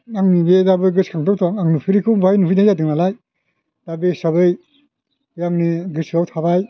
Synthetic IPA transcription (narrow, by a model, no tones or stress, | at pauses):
aŋnibedabɯjɡɯskʰaŋtʰɔwtʰaŋaŋnupʰiɾikʰɯwbajnuɦujnajzadɯŋnalaj | d̥abɯsaβɯj | jaŋniɡɯsɯawtʰabaj